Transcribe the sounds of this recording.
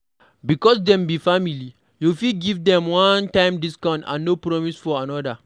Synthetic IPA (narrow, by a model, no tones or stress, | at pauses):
bikɔsdɛ̃mbifamili | jufiɡivdɛ̃mwɔ̃ntãɪ̃mdiskãʊ̃ntã̰nːopɹɔmisfɔanɔda